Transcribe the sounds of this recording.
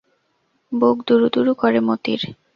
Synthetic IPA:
boɡd̪uɾud̪uɾukoɾemot̪ḭɾ

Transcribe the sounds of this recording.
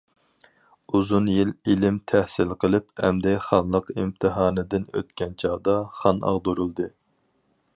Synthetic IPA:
uzunjililɪmt̪ʰæhsɪlqʰəlˠɪpɛmd̪ɪχɑnlˠəqimt̪ʰɨɦɑːnɨd̪ɪnø̰t̪kʲɛnt͡ʃʰɑhd̪ɑχɑnɑ̰ʁd̪uɾulˠd̪ɨ

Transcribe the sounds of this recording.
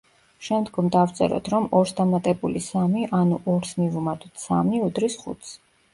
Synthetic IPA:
ʃɛmd̪ɡɔmd̪aft̪sʼɛ̰ɾɔ̰t̪ʰɾɔmɔɾsd̪amat̪ʼɛbulisamiʔanuʔɔɾsmivmad̪ut̪ʰsa̰miud̪ɾisχṵt̪ʰs

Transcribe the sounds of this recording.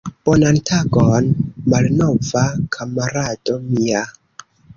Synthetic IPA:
b̥onantʰaɡonmalnovakʰamaɾad̥o̞mia

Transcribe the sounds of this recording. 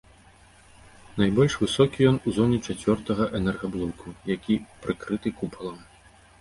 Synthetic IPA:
najbɔlʲʂvɨsɔkʲijɔnuzɔnʲɛt͡ʂat͡sʲvʲɔrt̪ɐɣɐʔɛnɛrɣɐblˠɔkʰujakʲipɾɨkɾɨt̪ɨkupɐlˠɐm

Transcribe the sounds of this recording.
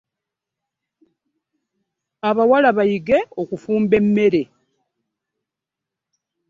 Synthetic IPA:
aβawalaβajiɡe̞okufuːmbe̞mːe̞ɾe̞

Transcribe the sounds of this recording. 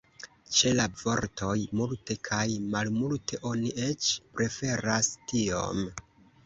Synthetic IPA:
t͡ʃe̞lavo̞ɾtʰo̞jmulte̞kʰajmalmultʰe̞ʔo̞niʔe̞t͡ʃpɾe̞fe̞ɾastio̞̰m

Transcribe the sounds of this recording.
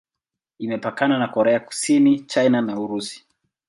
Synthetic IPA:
imɛpakananakɔɾɛaku̥sinit͡ʃajnanauɾusi̥

